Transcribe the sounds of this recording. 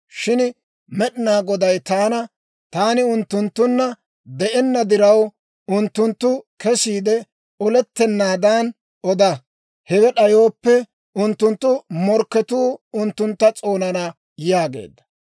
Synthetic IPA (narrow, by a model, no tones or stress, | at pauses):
ʃɪn | mɛɗɪnaːɡɔd̪ɐjt̪aːnɐ | t̪aːnɪʊnt̪ːʊnt̪ːʊnːɐ | d̪ɛʔɛnːɐd̪ɪɾɐw | ʊnt̪ːʊnt̪ːʊkɛsiːd̪ɛ | ɔlɛt̪ːɛnːaːd̪aːn | ɔd̪ɐ | hɛwɛɗɐjo̞ːpːɛ | ʊnt̪ːʊnt̪ːʊmɔɾkːɛt̪uːʊnt̪ːʊnt̪ːɐt͡sʼo̞ːnɐnɐ | jaːɡḛːd̪ːɐ̥